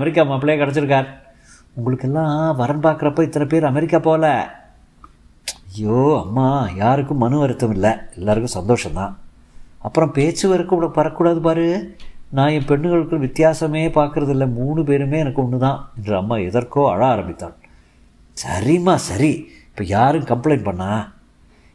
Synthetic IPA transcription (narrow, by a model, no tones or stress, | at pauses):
ɐmɛɾɪk̬ːaːmapːɭejeːkɐɽɛt͡ʃːɯɾɯkːaːɾ | ʊŋɡɐɭɯkːɛlːãːʋɐɾɐnpaːɾkɯɾɐpːoːɪt̪ːɐnɐpeːɾɐmɛɾɪkːaːpoːlɛ | ɐjoːɐmːaːjaːɾɯkːɯ̃mːɐnɯʋɐɾɪt̪ːɐmɪlːɐɛlːaːɾɯkːɯ̃sɐnd̪oːʂɐnt̪ã̰ː | ɐpːɯɾɔ̃peːt͡ʃːɯʋɐɾɯkːuːɽɐpɐɾɐkːuːɽaːðɯp̬aːɾɯnãːɛ̃mpɛɳːɯɣɐɭɯkːɯʋɪt̪ːɪjaːsɐmeːpaːɾkɯɾɐðɪlːɐmuːɳɯp̬eːɾɯmeːɛnɐkːɯʊɳːɯt̪ãːɛndrɐɐmːaːɛðɐɾkoːɐ̰ɻaaːɾɐmbɪt̪ːa̰ːn | sɐ̰ɾɪmaːsɐɾi | ɪpːoːjaːɾɯkɐmpleɪnpɐɳːaː